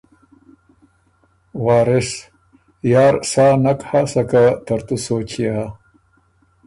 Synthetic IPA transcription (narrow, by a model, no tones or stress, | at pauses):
wɑːɾɪs | jɑːɾsaːnakhasakat̪aɾt̪usoːt͡ɕiɦa